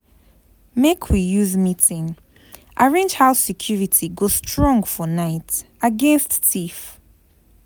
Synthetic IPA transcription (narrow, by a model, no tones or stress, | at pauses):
mekʰwijuzmitʰɪ̃ŋ | ʔaɹẽnd͡ʒhaʊsɛkʰj̥uɹitʰiɡostʰɹɔ̃ŋfɔnaɪt | aɡɛ̃nsttʰif